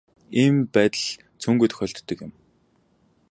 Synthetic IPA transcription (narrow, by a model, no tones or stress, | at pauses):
impæːt̪ə̆ɮ | t͡sʰɵŋɡuːt̪ʰxʲœːɬt̪ːɵ̆kjɪ̆m